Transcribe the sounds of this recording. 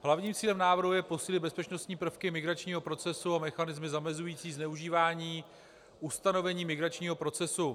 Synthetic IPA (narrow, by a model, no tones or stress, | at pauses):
ɦlavɲiːmt͡siːlɛmnaːvr̩ɦujɛpo̞siːlɪbɛspɛt͡ʃno̞st̪ɲiːpr̩fkɪmɪɡɾat͡ʃɲiːɦo̞pɾo̞t͡sɛsuamɛxanɪzmɪzamɛzujiːt͡siːznɛuʒiːvaːɲiː | ʔust̪ano̞vɛɲiːmɪɡɾat͡ʃɲiːɦo̞pɾo̞t͡sɛsu